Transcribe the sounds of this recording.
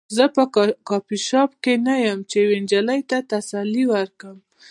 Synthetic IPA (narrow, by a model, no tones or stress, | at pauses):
zəpəkɑpiʃɑpkenajəmt͡ʃewend͡ʒaləjt̪at̪asalːiwəɾkəm